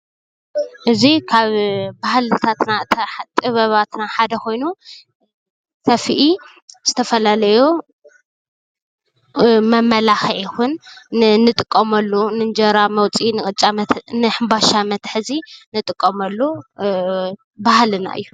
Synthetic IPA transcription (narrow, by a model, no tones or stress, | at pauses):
ʔɨzikʰaβbahlɨt̪ʰat̪nat̪ʼɨβɐβat̪naħad̪ɐkʰo̞jnu | sʰɐfiʔi | z̥ɨt̪ʰɐfɐlalɐju | mɐmːɐlaxʕixunnɨt̪ʼɨkʼːɐmɐlːunɨnd͡ʒɐɾamɐwt͡sʼinɨxʼɨt͡ʃʼːamɐnɨħɨmbaʃamɐt̪ħɨzinɨt̪ʼɨkʼːɐmɐlːu | bahlɨna̰ʔɨ̰jːu